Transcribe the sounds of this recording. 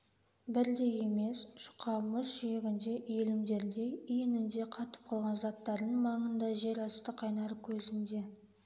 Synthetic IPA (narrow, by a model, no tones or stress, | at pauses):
bɪɾd̪e̞je̞me̞sʃʊ̥qʰɑməsʒeɡʲɪnd̪e̞ʔelɪmd̪e̞ɾd̪e̞ijenɪnd̪e̞qʰɑt̪ə̥p̚qʰɑlˠʁɑnzɑt̪ːɑɾd̪əɴmɑɴənd̪ɑʒe̞ɾɑst̪əqʰɑjnɑɾkʲʰɵzɪnd̪e̞